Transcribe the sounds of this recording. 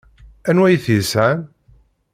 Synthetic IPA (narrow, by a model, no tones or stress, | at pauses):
ænwæjθisæn